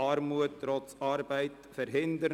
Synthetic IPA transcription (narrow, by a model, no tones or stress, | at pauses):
ɑrmuətːrɔsɑrbəjt | fəɾɦɪndəɾ